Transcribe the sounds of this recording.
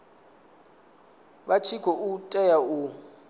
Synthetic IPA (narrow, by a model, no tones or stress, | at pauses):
bat͡ʃʰikʰɔʔutʼɛjau